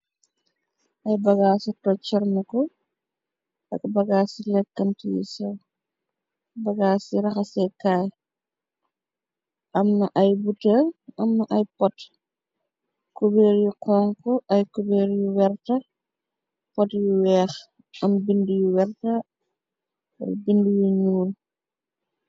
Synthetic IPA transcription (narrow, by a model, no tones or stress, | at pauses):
ʔɐjbɐɡaːsɔtɔt͡ʃɐɾmikɔ | ɐkbɐɡaːsilɛkːɐntijḭsɔ | bɐɡaːsiɾɐxɐsɛkaːj | ʔɐmnɐʔɐjbutɛɐmːɐʔɐjpɔt | kobeːɾjukʰɔːŋkɔʔɐjkobɛːɾjuwɛrtɐ | pɔtjuwɛːx | ʔɐmbindujuwɛrtɐ | bindujuɲuːl